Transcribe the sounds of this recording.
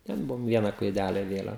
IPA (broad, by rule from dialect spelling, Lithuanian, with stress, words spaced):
tʲɛn ˈbʊʋoːm ˈʋʲiɛnɐ klˠɐɪˈdʲælʲɛ ɪˈʋʲeːlʲɛn